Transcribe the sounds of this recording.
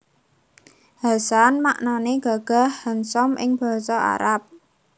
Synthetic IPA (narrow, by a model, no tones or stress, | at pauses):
hasanmaʔnaneɡ̥a̤ɡ̥a̤hhənsɔmʔɪ̰ŋb̥a̤sɔa̰ɾap̚